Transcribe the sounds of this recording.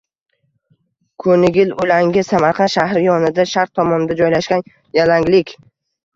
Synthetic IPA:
kʰɵnɪɡʲɪlʊlaŋɡʲɪsamaɾqʰɑnʃahɾɪjɒnɪd̪aʃaɾq̚t̪ʰɒmɒnɪd̪ad͡ʒɒjlaʃɡʲan | jalaŋlɪkʲ

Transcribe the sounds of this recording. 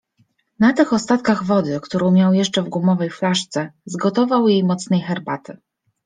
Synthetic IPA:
nat̪ɘxɔst̪at̪kaɣvɔd̪ɘkt̪uɾɔ̃w̃mʲjawjɛʂt͡ʂɛvɡwumɔvɛjflaʂt̪sɛzɡɔt̪ɔvawjejmɔt̪snɛjxɛɾbat̪ɘ

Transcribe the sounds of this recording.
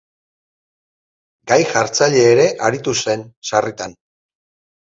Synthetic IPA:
ɡajʝaɾt͡saʎe̞ːɾe̞ʔaɾit̪use̞nsarit̪an

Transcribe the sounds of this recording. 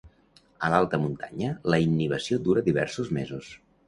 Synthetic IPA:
əlalˠt̪əmunt̪a̰ɲələinːiβ̞əsiod̪uɾəðiβɛ̰rsuzmezus

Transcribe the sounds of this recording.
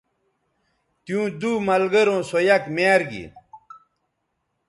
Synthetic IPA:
t̪jũːd̪umɐlɡɐɾõːsojɐkmeːɾɡḭ

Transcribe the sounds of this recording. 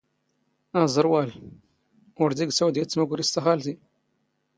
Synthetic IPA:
æzˤəɾˤwæl | ʊɾd̪iɡsæwd̪jæt͡sːmækʊɾist̪æxælt̪i

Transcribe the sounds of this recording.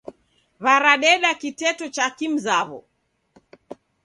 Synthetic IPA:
βaɾaɗɛɗakitɛtɔt͡ʃakim̩zaβɔ̰

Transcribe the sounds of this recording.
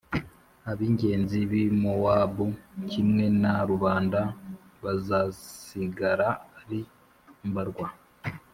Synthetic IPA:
aβiːɲɟe̞ːnziβimowaːbucʰimŋe̞naɾuβaːnda | βazasiɡaɾaːɾi | mbaɾɡwa

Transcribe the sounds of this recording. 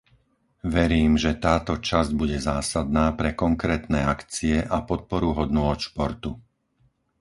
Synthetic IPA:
ʋɛɾiːmʒɛt̪aːt̪ɔt͡ʃazɟ̚buɟɛzaːsad̪naːpɾɛkɔŋkɾɛːt̪nɛːakt͡siɛʔapɔt̪̚pɔɾuɦɔd̪nʊɔt̪ʃpɔɾt̪u

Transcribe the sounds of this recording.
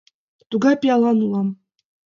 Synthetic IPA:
t̪uɡɑpʲijɑlˠɑnulˠɑm

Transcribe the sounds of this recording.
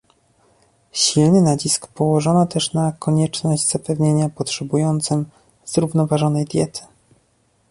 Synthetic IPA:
ɕilnɘnat͡ɕiskpɔwɔʐɔnɔt̪ɛʂnakʰɔɲɛt͡ʂnɔʑd͡ʑz̥apɛvɲeɲapɔtʂɛbujɔnt̪sɘm | z̥ɾuvnɔvaʐɔnɛjd̪ʲjɛt̪ʰɘ̥

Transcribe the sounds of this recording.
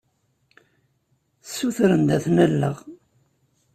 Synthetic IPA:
sːuθɾənd̪æθnælːəʁ

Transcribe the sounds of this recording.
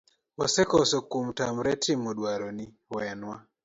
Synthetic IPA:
wasɛkɔsɔkum̩tam̩ɾɛtʰimɔɗwaɾɔni | wɛnwa

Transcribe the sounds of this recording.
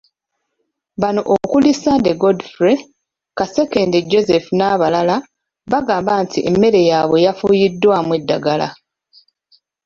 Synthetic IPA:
βano̞ʔokulisadeɡodfɾe | kase̞ke̞ndeɟo̞ze̞funaβalala | βaɡaːmbaːntʰiʔemːe̞ɾe̞jaβe̞jafujidːwamwe̞dːaɡala̰

